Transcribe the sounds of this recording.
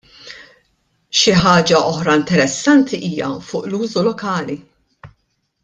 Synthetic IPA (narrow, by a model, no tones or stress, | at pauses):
ʃɪħɐːd͡ʒɐʔɔħɾɐɪnt̪ɛɾɛsːɐnt̪ʰiʔiːjɐ̰fʊːʔluːzulɔkɐːli